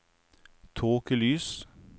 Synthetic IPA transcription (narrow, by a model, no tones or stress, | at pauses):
t̪ʰoːkəlyːs